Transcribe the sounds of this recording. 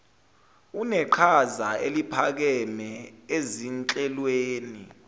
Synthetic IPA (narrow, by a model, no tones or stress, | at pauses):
unɛǃʰazaelipʰak̬ɛmɛezint͡ɬʼɛlweːni